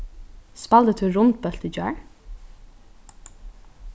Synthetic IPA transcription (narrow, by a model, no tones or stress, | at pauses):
spɑld̪ət̪ʰʉːɾʊnt̪̚bœlt̪id͡ʒœ̰ː